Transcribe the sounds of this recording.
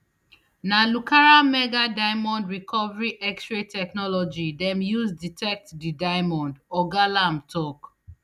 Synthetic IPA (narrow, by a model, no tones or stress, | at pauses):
nalukaɹamɛɡadaɪmɔ̃ndɹikʰɔvaɹiʔɛkstɹetʰɛknɔlɔd͡ʒidɛ̃mjuzditʰɛk̚tdidaɪmɔ̃ndɔɡalãmtʰɔk